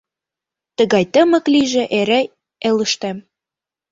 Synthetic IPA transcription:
t̪əɣɑjt̪əmɤ̆kliʒĕʔeɾe | eləʃt̪æm

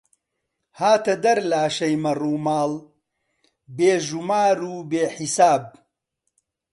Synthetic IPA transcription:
haːt̪ɐd̪ɐɾlaːʃɐjmɐruːmaːl | beːʒumaːɾuːbeːħisaːb̚

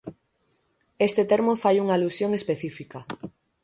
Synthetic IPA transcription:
est̪et̪eɾmofajuŋalusjoŋespeθifikɐ

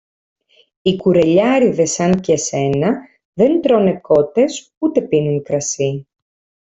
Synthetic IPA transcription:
ikuɾe̞ʎɐɾiðe̞sɐncese̞nɐ | ðe̞nt̪ɾo̞ne̞ko̞t̪e̞s | ut̪e̞pinunkɾɐsi

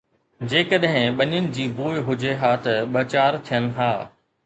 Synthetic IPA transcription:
d͡ʑeːkəɗɦɪ̃ɓɐɲʊnɪ̆d͡ʑiːbuːɪɦʊd͡ʑeɦaːt̪ɐɓɐt͡ɕaːɾt̪ʰijənɪ̆ɦaː

